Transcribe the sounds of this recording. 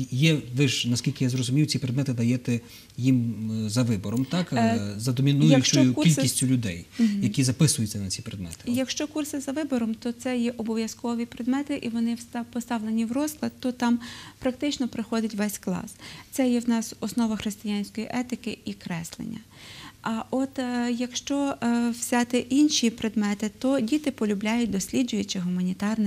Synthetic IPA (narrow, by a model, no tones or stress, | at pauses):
jɛʋɪʒnɐskʲilʲkɪjazrɔzʊmʲijwt͡sʲipɾed̪mɛt̪ɪd̪ɐjɛt̪ɛ | jimzɐʋɪbɔɾɔmt̪ɑkzɐd̪ɔmʲinujɐʃt͡ʃɔɔjʊkʲilʲkʲisʲtʲʊlʲʊd̪ɛjjɐkʲizɐpɪsʊjʊt͡sʲːɐnɐt͡sʲipɾed̪mɛ̰t̪ɪ̥jɐkʃt͡ʃɔkursɪzɐʋɪbɔɾɔmt̪ɔt̪sɛjɛʔɔbɔʋʲjɐskɔʋʲipɾed̪mɛt̪ɪʔiʋɔnɪpɔst̪ɑʋlenʲiwrɔz̥lˠɐd̪t̪ɔt̪ɑmpɾɐkt̪ɪt͡ʃnɔpɾɪxɔd̪ʲɪtʲʋɛsʲklˠɑ̰st̪sɛjɛwnɑsɔsnɔʋɐxɾɪst̪ɪjanʲsʲkɔjiʔɛt̪ɪkɪʔikɾɛslˠḛnʲːɐ̰ | ʔɐʔɔt̪jɐkʃt͡ʃɔwsʲɑt̪ɪʔinʃipɾed̪mɛt̪ɪt̪ɔdʲit̪ɪpɔlʲʊblʲajʊt̚ʲd̪ɔsʲlʲid͡ʒʊjʊt͡ʃɪɦʊmɐnʲit̪ɑrnɪ